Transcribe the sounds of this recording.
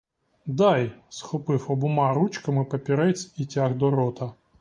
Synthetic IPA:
d̪ajsxɔpɨfɐbʊmaɾut͡ʃkɐmɨpɐpʲɪɾɛsʲitʲaɣd̪ɔɾɔt̪ɐ

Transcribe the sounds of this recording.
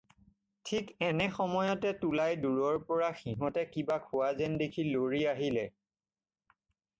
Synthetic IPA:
tʰikɛnɛxɔmɔjɔtɛtulajduɹɔɹpɔɹaxiɦɔtɛkibakʰʊazɛndekʰiloɹiaɦilɛ

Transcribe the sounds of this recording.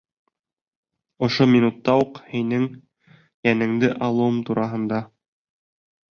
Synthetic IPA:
ŏʃominut̪ːɑuqhinɘŋ | jænɘ̆ŋd̪ɘʔɑlˠuwɤmt̪uɾʔɑɦɤ̆nd̪ɑ

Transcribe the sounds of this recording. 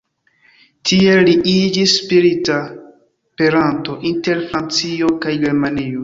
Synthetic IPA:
tʰieliʔid͡ʒisːpiɾita | pe̞ɾanto̞ʔinte̞ɾfɾant͡siokajɡeɾmanio

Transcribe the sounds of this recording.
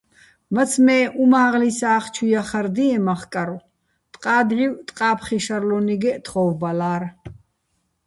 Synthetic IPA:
mət̪t͡sʰmɛːʔumaːʁlisaːχt͡ʃʰujaχaɾd̪iɛmaχkʼaɾɔ | t̪ʼqʼaːd̪ʁiwt̪ʼqʼaːpʰχiʃaɾlɔniɡɛʔt̪ʰχɔvbalaːɾ

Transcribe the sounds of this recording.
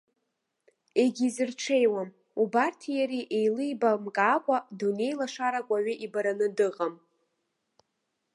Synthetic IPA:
e̞ɡʲizɨrʈ͡ʂʰe̞jwam | ubartʰijaɾiʔejlɨjbamkʼakʷʼadune̞jlaʂaɾakʷʼaɥɪʔibaɾanɨdɨqʼam

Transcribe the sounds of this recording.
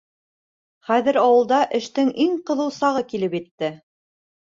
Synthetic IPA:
χæðɘ̆ɾɑwɤ̆lˠd̪ɑʔɘ̆ʃt̪ɘŋiŋqɤ̆ðɤ̆wsɑʁɤkilɘpjɘ̆t̪ːɘ

